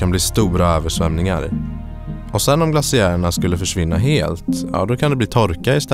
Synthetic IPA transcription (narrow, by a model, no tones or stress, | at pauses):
anbliːst̪uːɾaøːvəʂvɛmnɪŋa̰ɾ̰ | ɔsɛnːɔmɡlasɪæːɾəɳaskɵlːəfœʂvɪnːaɦeːlt̪jɑ̰ːd̪ɔkʰand̪ɛbliːt̪ʰɔɾkaɪst̪